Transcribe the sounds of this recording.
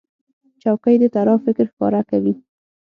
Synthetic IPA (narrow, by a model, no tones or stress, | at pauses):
t͡ʃawkəjd̪ət̪aɾɑfɪkɾxkɑ̰ɾakawi